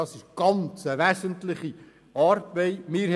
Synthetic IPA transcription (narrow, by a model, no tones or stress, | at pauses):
ɑsɪʃɡ̥ɑnt͡səʋæsəntlɪχi | ɑːɾb̥eɪmɪːɾh